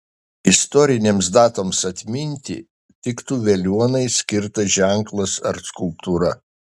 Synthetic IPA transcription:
ɪst̪ɔɾʲɪnʲeːmsd̪ɑːt̪oːmsɐt̪ʲmʲɪnʲt̪ʲɪ̰ | t̪ʲɪkt̪uːʋʲɛlʲuɔnɐɪsʲkʲɪɾt̪ɐʒʲæŋklˠɐsɐ̰ɾskʊlˠp̚t̪uːɾɐ

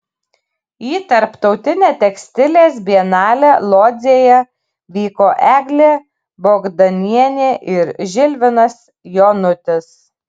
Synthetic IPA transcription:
jiːt̪ɐɾpt̪ɒʊt̪ʲɪnʲeːt̪ʲɛksʲt̪ʲɪlʲeːs̬bʲiɛnɑːlʲɛlˠoːd̪zʲeːjɛ | ʋʲiːkoːʔæːɡlʲeː | boːɡd̪ɐnʲiɛnʲeːʔɪɾʒʲɪlʲʋʲɪnɐs | joːnʊt̪ʲɪs

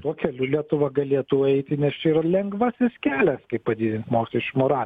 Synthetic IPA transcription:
t̪uɔkʲɛlʲulʲiɛt̪ʊʋɐɡɐlʲeːɛt̪uːɛɪt̪ʲɪnʲɛst͡ʃʲɛiɾɐlʲɛŋɡʋɑsʲɪskʲæːlʲɛskɐɪppɐd̪ʲiːd̪ʲɪnt̪moːkʲɛʃʲt͡ʃʲumoːɾɑːlʲ

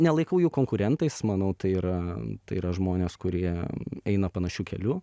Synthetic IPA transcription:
nʲɛlˠɐɪkɐʊjuːkoːŋkʊɾʲɛnt̪ɐɪsmɐnɐʊt̪ɐɪɪɾɐt̪ɐɪɪɾɐʒmoːnʲeːskʊɾʲiɛɛɪnɐpɐnɐʃʲuːkʲɛlʲuː

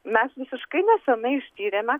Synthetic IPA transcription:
mʲɛsʋʲɪsʲɪʃkɐɪnʲɛsʲɛnɐɪɪʃʲt̪ʲiːɾʲeːmʲɛ

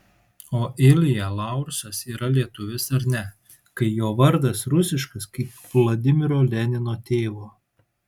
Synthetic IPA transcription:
oːʔɪlʲɪjɛlˠɐˑʊɾʃɐsiːɾɐlʲiɛt̪ʊʋʲɪsɐɾnʲɛ | kɐɪjoːʋɐɾd̪ɐsɾʊsʲɪʃkɐskɐɪpʋlˠɐd̪ʲɪmʲɪɾoːlʲɛnʲɪnoːt̪ʲeːʋoː

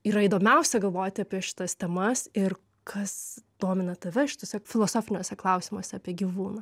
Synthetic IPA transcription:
iːɾɐid̪oːmʲɛʊsʲɛɡɐlˠʋoːjt̪ʲɪɐːpʲiɛʃʲɪ̥t̪ɐst̪ʲɛmɐsɪr | kʰɐsd̪̥oːmʲɪnɐt̪ɐʋʲɛʃʲɪ̥t̪oːsʲɛfʲɪlˠoːsoːfʲɪnʲoːsʲɛklˠɐʊsʲiːmoːsʲɛɐpʲiɛɡʲiːʋuːnɐ

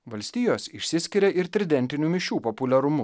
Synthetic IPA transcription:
ʋɐlʲsʲt̪ʲiːjoːsɪʃʲsʲɪsʲkʲɪɾʲɛʔɪɾt̪ʲɾʲɪd̪ʲɛnʲt̪ʲɪnʲuːmʲɪʃʲuːpopʊlʲɛɾʊmʊ

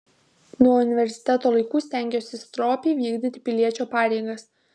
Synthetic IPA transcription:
nuɔʊnʲɪʋʲɛɾʲsʲɪ̥t̪ʲɛt̪oːlˠɐɪkuːsʲt̪ʲæˑŋʲɡʲoːsʲɪst̪ɾoːpʲɛːʋʲiːɡd̪ʲit̪ʲɪ̥pʲɪlʲiɛt͡ʃʲoːpɑːɾʲɛɪɡɐs

